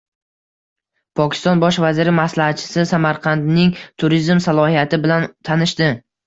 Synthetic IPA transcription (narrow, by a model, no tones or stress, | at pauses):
pʰɒkʲʰɪ̥st̪ɒnbɒʃvazɪɾɪmaslahat̪̚t͡ʃʰɪ̥sɪsamaɾqʰɑnd̪nɪŋt̪ʰʊɾizmsalˠɒhijat̪ʰɪbɪlant̪ʰanɪʃd̪ɪ